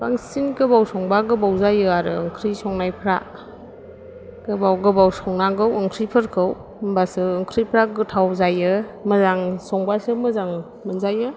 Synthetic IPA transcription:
baŋsinɡɯbawsɔŋbaɡɯbawzajɯaɾɯɯŋkʰɾisɔŋnajpʰɾa | ɡ̥ɯbawɡɯbawsɔŋnaɡɯwəŋkʰɾipʰɯɾkʰɯw | mbasɯːŋkʰɾipʰɾaɡɯtʰawzajɯmɯzaŋsɔŋbasɯmɯzaŋ | mənzajɯ

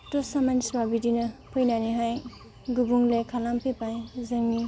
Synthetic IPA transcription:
tosamansbabidinɐpʰɯjnaniɦaj | ɡubuŋlekʰalampʰepajzɯŋni

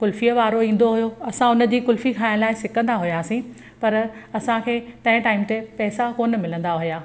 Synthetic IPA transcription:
kʊlfijəʋaːɾoĩːn̆d̪oɦʊjoɐsãʊnə̆d͡ʑiːkʊlfikʰaːɪ̃̆ñlaːɪsɪkə̃nd̪aɦʊjaːsĩ | pɐɾɐsãkʰeːt̪ɐ̃ɦɪ̃ʈaːɪmt̪epɛːsakoːn̆mɪlə̃n̆d̪aɦʊjaː

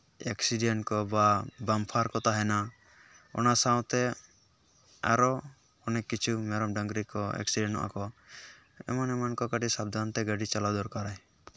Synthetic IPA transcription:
eksiɖɛɳʈkɔbabampʰaɾkɔt̪aɦɛna | ɔ̰nasãwt̪ɛ | a̰ɾɔ | ɔnɛkːit͡ʃʰumɛɾɔmɖaŋɡɾikɔɛ̰ksiɖɛ̃ɳʈɔ̰ʔa̰kɔ | ɛ̰manɛmankɔkaɖisab̚d̪ʱant̪ɛɡaɖit͡ʃalad̪ɔɾkaɾaj

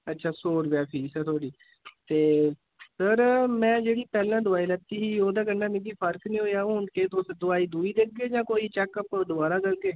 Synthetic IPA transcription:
ətːʃʰaːsoːɾbjaːpʰiːsəɾt̪ʰoːɽiː | t̪eː | səɾmɛ̃ːd͡ʒeːɽiːpɛːlãːd̪ʊaːiːlət̪iːɦiːoːd̪aːɡəɳɖaːmẽɡiːpʰəɾknĩːɦoːjaːoːɳkeːt̪ʰosd̪ʊaːiːd̪uːiːd̪ek̚ɡeːd͡ʒãːkoːiːt͡ʃɛːkəpd̪ʊbaːɾaːɡ̪əlɡeː

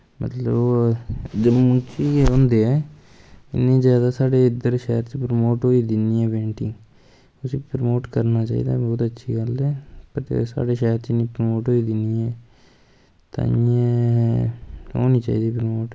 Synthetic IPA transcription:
mə̰t̪ləb | d͡ʒəmʊ̃t͡ʃieõːnd̪eːɛː | ɪ̰nːĩːzjaːd̪aːsaːɖeːɪd̪əɾʃɛːəɾt͡ʃpɾəmoːʈɦoːiːd̪ɪniːɛːbẽːɳʈɪː | ʊsiːpɾəmoːʈkəɾnaːt͡ʃa̰ːḭːd̪a̰ːbɔːt̪ətːʃʰḭːɡəlɛːpəɾsa̰ːɖeːʃɛːɾt͡ʃnĩːpɾəmoːʈɦoːiːd̪ɪniːɛː | t̪ã̰ːɪjẽː | ɦo̰ːnĩːt͡ʃa̰ːiːd̪iːpɾmoːʈ

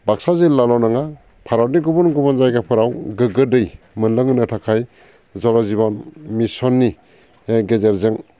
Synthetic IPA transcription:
bak̚sazelalɔnaŋa | pʰaɾaniɡubɔnɡubɔnzajɡapʰɯɾawɡɯɡɯdɯj | mɯnlɯŋɯnɯtʰakʰaj | zɔlɔzibɔnmisɔnːi | ɡezeɾzɯŋ

